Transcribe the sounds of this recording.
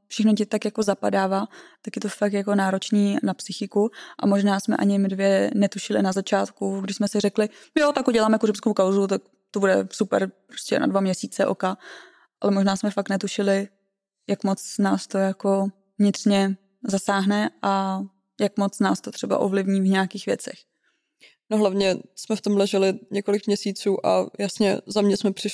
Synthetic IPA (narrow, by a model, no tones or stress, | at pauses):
fʃɛxnocɪt̪t̪akjako̞zapadaːvaːt̪akjɛt̪ofak̚t̪jako̞naːɾot͡ʃniːnapsɪxɪkuʔa̰moʒnaːsmɛ̰ʔa̰ɲɪjɛmɪdvjɛnɛt̪uʃɪlɪ̰nazat͡ʃaːt̪kuɡdɪʃsmɛsɪrɛklɪjot̪akuɟɛlaːmɛkurɛmskowkawzut̪ak̚ | t̪obudɛ̰supɛ̰ɾpɾo̞scʲɛ̰na̰dvamɲɛsiːt͡sɛʔo̰ka | ʔalɛmoʒnaːsmɛfak̚t̪nɛt̪uʃɪlɪ | jakmo̞t͡snaːst̪o̞jako̞ | vɲɪt̪r̥ɲɛ | zasaːɦnɛʔa | jakmo̞t͡snaːst̪ot̪r̝̥ɛba̰ʔo̰vlɪvɲiːvɲaːkiːxvjɛ̰t͡sɛ̰x | noɦlavɲɛsmɛft̪omlɛʒɛlɪɲɛkolɪkmɲɛsiːt͡suːʔa̰jasɲɛ̰zamɲɛsmɛpr̥ɪ